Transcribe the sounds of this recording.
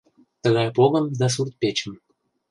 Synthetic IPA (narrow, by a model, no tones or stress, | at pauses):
t̪əɣɑjpoɣəmd̪ɑs̬urt̪̚pʲet͡ɕə̆m